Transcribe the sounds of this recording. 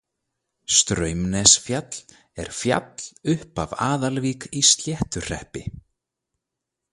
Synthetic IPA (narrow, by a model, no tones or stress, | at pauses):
st̪ɾœːɥmnɛsfjat̪l̥ | ɛ̰ɾ̥fja̰t̪l̥ʏhpavaːðalviːkist̪ljɛht̪ʏ̥r̥ɛhpɪ